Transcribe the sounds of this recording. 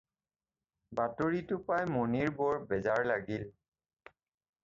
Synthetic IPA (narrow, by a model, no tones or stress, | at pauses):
batoɹitʊpajmoniɹbɔɹbɛzaɹlaɡil